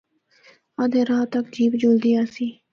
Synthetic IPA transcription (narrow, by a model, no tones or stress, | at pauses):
ad̪ẽːɾaːt̪əkd͡ʒiːpd͡ʒʊld̪ijaːsiː